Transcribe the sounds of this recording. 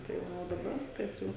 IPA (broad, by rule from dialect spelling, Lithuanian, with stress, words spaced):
tɐɪ ˈʋɐ oː dɐˈbɐ ˈʋʲɪskɐs ˈjɛʊ